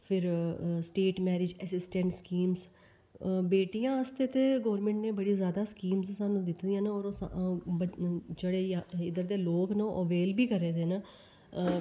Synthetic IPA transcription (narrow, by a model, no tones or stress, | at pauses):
pʰɪɾsʈeːʈmɛːɾɪd͡ʒɛsɪsʈɛ̃ɳʈskiːms | beːʈijãːəst̪eːt̪eːɡɔːɾmɛ̃ɳʈnẽːbəɽiːzjaːd̪aːskiːmzsaːnũːd̪ɪt̪d̪ɪjãːnaɔːɾ | d͡ʒeːɽeːɪd̪əɾd̪eːloːknaʔəʋeːlbiːkəɾeːd̪eːnaː